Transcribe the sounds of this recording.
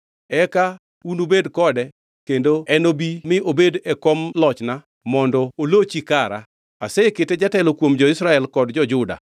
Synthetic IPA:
ɛka | unobedkɔdɛ | kendoɛnobimɪʔobedɛkomlɔt͡ʃna | mɔndɔolot͡ʃikaɾa̰ | aseketed͡ʒatɛlokwomd͡ʒɔɪsɾaɛlkɔdd͡ʒɔd͡ʒʊda̰

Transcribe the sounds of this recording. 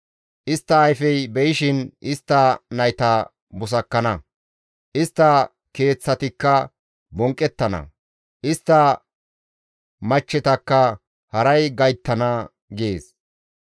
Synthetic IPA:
ʔɪst̪ːɐːjfɛjbɛjɪʃɪnʔɪst̪ːɐnɐjt̪ɐ | bʊs̬ɐkːɐnɐ | ʔɪst̪ːɐ | ke̞ːt͡sːɐt̪ɪkːɐ | bɔŋkʼːɛt̪ːɐnɐ̰ | ʔɪst̪ːɐ | mɐt͡ʃːɛt̪ɐkːɐ | hɐɾɐjɡɐjt̪ːɐnɐ | ɡeːs

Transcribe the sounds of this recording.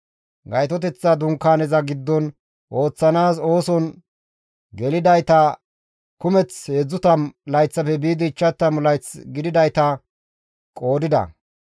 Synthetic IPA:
ɡɐjt̪ɔt̪̬ɛt͡sːɐd̪ʊŋkːaːnɛzɐɡɪd̪ːɔn | ʔo̞ːt͡sːɐnaːso̞ːsɔn | ɡɛlɪd̪ɐjt̪ɐ | kʊmɛt͡sheːd͡zːʊt̪ɐmlɐjt͡sːɐfɛbiːd̪ɪːt͡ʃːɐt̪ːɐmlɐjt͡sɡɪd̪ɪd̪ɐjt̪ɐ | kʼo̞ːd̪ɪd̪ɐ̰

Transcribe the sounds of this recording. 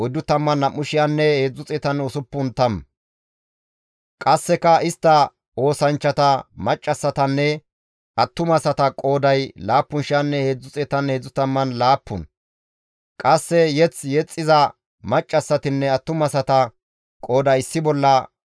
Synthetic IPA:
ɔjd̪ʊt̪ɐmːɐnːɐmːʊʃɪjanːɛhe̞ːd͡zːʊt͡sʼɛt̪ɐnʊsʊpːʊnt̪ɐm | kʼɐsːɛkɐɪst̪ːɐ | o̞ːsɐnt͡ʃːɐt̪ɐmɐt͡ʃʼːɐsːɐt̪ɐnːɛ | ʔɐt̪ːʊmɐsɐt̪ɐkʼo̞ːd̪ɐjlaːpːʊnʃɪjɐnːɛheːd͡zʊt͡sʼɛt̪ɐnheːd͡zːʊt̪ɐmːɐnlaːpːʊn | kʼɐsːɛjɛt͡sjɛt͡sʼːɪzɐ | mɐt͡ʃʼːɐsːɐt̪ɪnːɛɐt̪ːʊmɐsɐt̪ɐ | kʼo̞ːd̪ɐjɪsːɪbɔlːɐ

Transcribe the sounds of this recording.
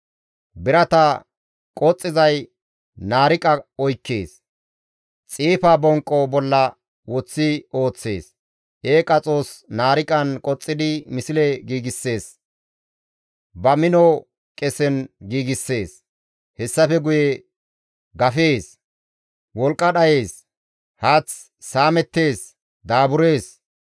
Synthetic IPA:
bɪɾɐt̪ɐ | kʼɔt͡sʼːɪzɐj | naːɾɪkʼɐɔjkːe̞ːs | t͡sʼiːfabɔŋkʼːɔbɔlːɐ | wɔt͡sːɪo̞ːt͡sːe̞ːs | ʔeːkʼɐt͡sʼo̞ːsnaːɾɪkʼɐnkʼɔt͡sʼːɪd̪ɪmɪsɪleɡiːɡɪsːe̞ːs | bɐmɪnɔ | kʼɛsɛnɡiːɡɪsːe̞ːs | hɛsːɐfɛɡʊjɛ | ɡɐfe̞ːs | wɔlkʼːɐɗɐje̞ːs | haːt͡sː | aːmɛt̪ːe̞ːs | d̪aːbʊɾe̞ːs

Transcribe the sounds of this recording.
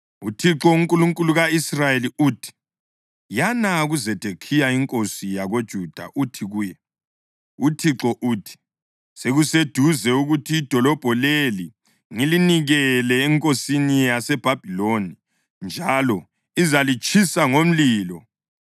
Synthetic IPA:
utʰiǁɔuŋkʼuluŋkʼuluɣaisrajeliuːtʰi̥ | janaɣuzɛd̥ʱekʰijaiŋkʼosijaɣod̥ʒ̥ʱud̥ʱa̰ʔutʰiɣuːjɛ | utʰiǁɔʔuːtʰi̥ | seɣused̥ʱuzɛuɣutʰiːd̥ʱɔlɔb̥ʱɔleli | ŋiliniɣɛlɛːŋkʼosinijasɛb̥ʱab̥ʱiloni | nd͡ʒʱalɔ | izalit͡ʃʼʰisaŋom̩liːlɔ

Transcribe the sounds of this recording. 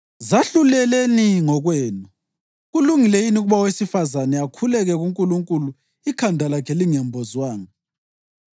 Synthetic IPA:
zaɬulɛleniŋɔɣwɛːnɔ | ɣuluŋilejiniuɣuβawesifazanɛakʰulɛɣɛɣuŋkʼuluŋkʼulu | ikʰandʱalakʰɛliŋɛmbʱɔzwaːŋa

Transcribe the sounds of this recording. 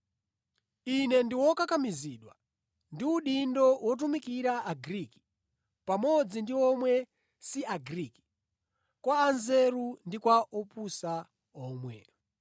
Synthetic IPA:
inɛndiwɔkakamiziːɗwa̰ | ndiuɗindɔwɔt̬umikiɾaʔːɡɾiki̥ | pamɔd͡zindiɔmwɛ | siaɡiɾiːki̥ | kwaːnzeɾundikwaʔɔpusa | ɔːmwɛ̰

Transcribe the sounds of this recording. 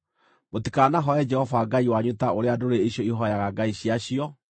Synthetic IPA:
motikanaɦɔɛd͡ʒɛhɔvaɡaiwaɲutaoɾeadoɾeeɕjɔiɦɔjaɣaɡaiɕiaɕiɔ

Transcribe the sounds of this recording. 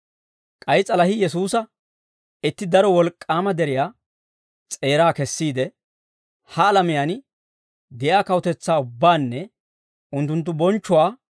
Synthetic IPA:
kʼɐjt͡sʼɐlɐhɪjɛs̬uːsɐ | ɪt̪ːɪd̪ɐɾɔwɔlkʼːaːmɐd̪ɛɾɪjaː | t͡sʼe̞ːɾaːkɛsːiːd̪ɛ | hɐːlɐmɪjaːn | d̪ɛjaːkɐwɔt̪ɛt͡sːaːʊbːaːnːɛ | ʊnt̪ːʊnt̪̬ːʊbɔnt͡ʃːʊwaː

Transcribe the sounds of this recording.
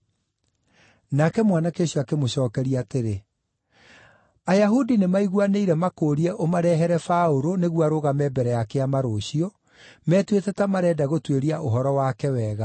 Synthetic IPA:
nakɛmwanakeɕjɔakemoɕɔːkɛɾiaːteɾe | ajaɦudinemaiɣwaneiɾɛmakoːɾiɛʔomaɾɛɦɛɾɛfaoɾoneɣwaɾoɣamɛːbɛɾɛjakeamaɾoːɕiɔ | mɛːtwetɛtamaɾɛːdaɣotweɾiaʔoɦɔɾɔwakɛwɛːɣa

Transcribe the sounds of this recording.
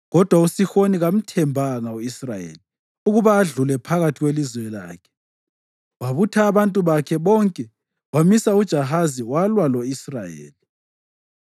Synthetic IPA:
ɣɔd̥ʱwausixoniɣam̩tʰɛmbʱaŋauisrajḛːli | uɣuβaːɮulɛpʰaɣatʰiɣwelizwɛla̰ːkʰɛ̥ | waβutʰaːβantʼuβakʰɛβɔŋkʼɛ | wamisaud̥ʒ̥ʱaɦaziwalwaloisrajḛːli

